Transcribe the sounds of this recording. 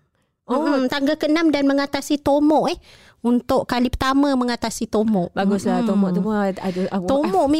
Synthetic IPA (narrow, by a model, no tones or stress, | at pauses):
m̩t̪aŋɡakənamdanməŋat̪asit̪omɔʔɛh | unt̪ʊʔkalipət̪amə̃məŋat̪asit̪omɔʔbaɡʊslat̪omɔʔt̪umɔaduat̪omɔʔmi